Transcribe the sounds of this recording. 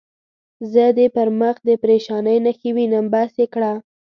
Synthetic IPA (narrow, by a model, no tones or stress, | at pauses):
zəd̪epəɾməxd̪əpɾeʃɑnəjnaxəwinambasekɽa